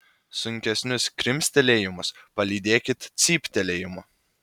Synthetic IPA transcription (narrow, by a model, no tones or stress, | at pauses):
sʊŋʲkʲɛsʲnʲʊskɾʲɪmʲsʲt̪ʲɛlʲeːjɪmʊspɐlʲiːd̪ʲeːkʲɪt̪t̪sʲiːpʲt̪ʲɛlʲeːjɪmʊ